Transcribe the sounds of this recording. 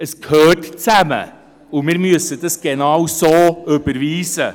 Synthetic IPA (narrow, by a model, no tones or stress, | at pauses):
əskʰøːtt͡sæmə̰ | ʊmɪːɾmyəsədɑsɡ̥enɑwsoːøb̥əɾviːsə